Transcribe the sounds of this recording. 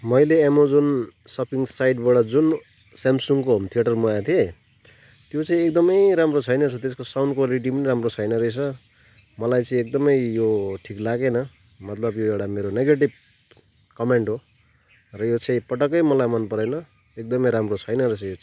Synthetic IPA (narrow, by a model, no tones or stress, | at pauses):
mʌjleamod͡zunsʌpʰiŋsajɖbaɽʌd͡zun | samsuŋkot̪ʰijeʈʌrmojãt̪ʰie | t̪jot͡sʌĩek̚d̪ʌmʌjɾamrot͡sʰʌjnʌt͡sʰʌt̪eskosawnɖkwaliʈ̬ipʌniɾamrot͡sʰʌjnʌɾʌjt͡sʰʌ | mʌlajt͡sʌĩek̚d̪ʌmʌjjoʈʰiklaɡenʌ | mʌt̪lʌbjoewʈameɾoneɡeʈib̚ | kʌmeɳʈɦo | rʌjot͡sʌĩpʌʈʌkʌjmʌlajmʌnpʌɾʌjnʌ | ek̚d̪ʌmʌjɾamrot͡sʰʌjnʌɾʌt͡sʌ̃